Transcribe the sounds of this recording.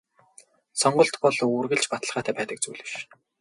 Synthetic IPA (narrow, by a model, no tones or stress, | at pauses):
sɔɴɢɞ̆ɬt̪pɔɮuːrɣɘ̆ɮt͡ɕpat̪ə̆ɮʁaːt̪ʰæːpæːt̪ə̆k̚t͡sujɮɘ̆ʃ